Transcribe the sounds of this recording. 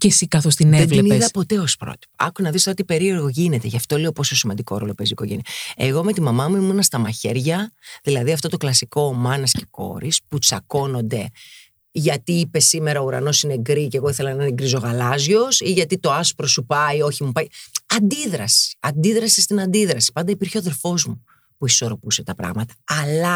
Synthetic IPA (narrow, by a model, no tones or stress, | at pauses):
cesikɐθost̪ineevlnieðɐpot̪e̞o̞spɾo̰t̪i̥poɐ̰kunɐðist̪ɐot̪ipe̞ɾieɾɣo̞ʝine̞t̪e̞ʝɐft̪o̞leopo̞sosimɐnd̪iko̞̰ɾo̞̰lo̞peziko̰ʝeniɐeɣo̞me̞t̪imɐmɐmuimunɐst̪ɐmɐçe̞ɾʝɐðilɐðiɐft̪o̞t̪o̞klɐsiko̞mɐnɐsce̞̥ko̞̰ɾisput͡sɐko̞no̞nd̪e̞ | ʝɐt̪iiːpe̞sime̞ɾɐouɾɐ̰no̞sineɡɾiceɣoiθe̞lɐnɐineɡɾizo̞ɣɐlɐzʝo̞siʝɐt̪it̪o̞ɐspɾo̞supɐio̞çimupɐjɐnd̪iðɾɐsi̥ɐnd̪iðɾɐsist̪inɐnd̪iðɾɐsi̥pɐnd̪ɐipiɾçeɐðe̞lfo̞zmu | puiso̞ɾo̞puse̞t̪ɐpɾɐ̰ɣmɐt̪ɐ̥ːlɐ